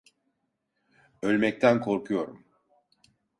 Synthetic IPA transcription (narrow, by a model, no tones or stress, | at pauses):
ø̞lʲmɛc̚t̪ʰænkʰo̞ɾkʰujo̞ɾṵm